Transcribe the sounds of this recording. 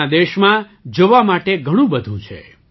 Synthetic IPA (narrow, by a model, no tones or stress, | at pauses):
ad̪eʃmã | d͡ʒoʋamaʈeɡʱəɽ̃ũbəd̪ʱũt͡ʃʰḛ